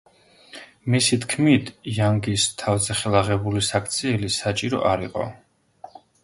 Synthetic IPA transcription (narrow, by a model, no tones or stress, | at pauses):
misit̪ʰkʰmit̪ʰjaŋɡist̪ʰavzɛχɛlˠaʁɛbulisakʰt̪sʰiɛlisat͡ʃʼiɾɔ̰ʔaɾiqʼɔ̰